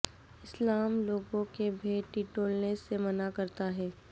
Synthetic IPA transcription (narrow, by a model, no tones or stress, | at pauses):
ɪslaːmloːɡõkebʱeːʈiːʈoːlnẽsemɐnakɐɾt̪aɦɛː